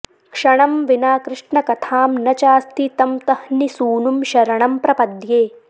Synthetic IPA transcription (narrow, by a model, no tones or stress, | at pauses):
kʂɐɳɐmʋinaːkɾɪʂɳɐkɐt̪ʰaːmnɐt͡ʃaːst̪ʰit̪ɐmt̪ɐhnisuːnumʃɐɾɐɳɐmpɾɐpɐd̪jeː